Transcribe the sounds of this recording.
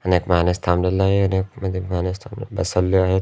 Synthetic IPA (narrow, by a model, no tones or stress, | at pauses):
ɐneːkmaːnest̪ʰaːmlelːaɦeɐnekmɐd̪imɦaːnest̪ʰaːm̰bɐsəlːiaɦe